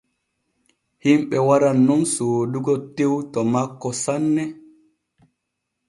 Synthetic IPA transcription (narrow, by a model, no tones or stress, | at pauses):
himɓɛwaɾanːunsoːduɡɔtewtɔmakːɔsanːɛ